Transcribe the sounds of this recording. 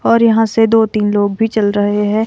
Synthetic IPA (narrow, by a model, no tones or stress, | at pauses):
ɔːɾjɐɦãsed̪oːt̪iːnloːɡ̚bʱit͡ʃɐlɾɐɦeɦɛ̃ː